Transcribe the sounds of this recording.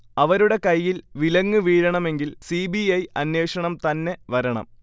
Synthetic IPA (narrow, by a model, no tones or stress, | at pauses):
ɐʋɐɾuɽe̞kɐjːilʋilɐŋːɨʋiːɾɐɳɐme̞ŋɡilsibiɐjɐnːe̞ːʂɐɳɐmt̪ɐnːe̞ʋɐɾɐɳɐ̰m